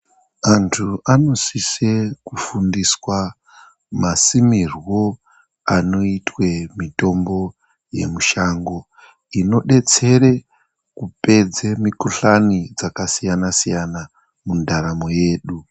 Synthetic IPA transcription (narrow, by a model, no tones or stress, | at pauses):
antʰuʔano̞sisekufundiswa | masimirwo̞ | ano̞itwe̞mito̞mbo̞ | je̞̰muʃaŋɡo̞ | ino̞ɗe̞t͡se̞ɾe̞ | kupe̞d͡zemikuɬanid͡zakasijanasijana | mundaɾamo̞je̞ːɗu